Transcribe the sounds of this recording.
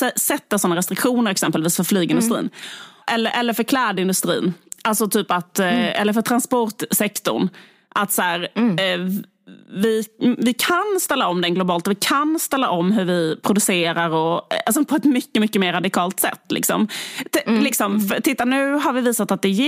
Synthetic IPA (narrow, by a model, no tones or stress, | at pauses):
sɛsɛt̪ːasɔnːaɾɛst̪ɾɪkɧuːnəɾɛksɛmpəlviːsfœɾflyːɡɪnd̪ɵst̪ɾḭːnʔɛlːəɾʔɛlːəɾfœɾkʰlɛːd̪ɪnd̪ɵst̪ɾḭːnʔalt̪sɔt̪ʰyːpat̪ɛ̰lːəɾfœʈ̪ʰɾanspɔɾʈ̪sɛkt̪ʊ̰ɳ | ʔat̪sæːɾ | vɪvɪkʰanst̪ɛlːaɔmd̪ɛnɡlʊbɑːlt̪ɔvɪkʰanst̪ɛlːa̰ʔɔmːɦɵɾvɪpʰɾʊd̪ɵseːɾaɾɔalsɔpʰɔɛt̪mʏkːəmʏkːəmeːɾːad̪ɪkʰɑːlt̪sɛ̰t̪ːlɪ̰ksɔ̰m | lɪksɔmft̪ʰɪt̪ːanʉ̟ːɦaɾvɪviːsat̪at̪̚d̪ɛj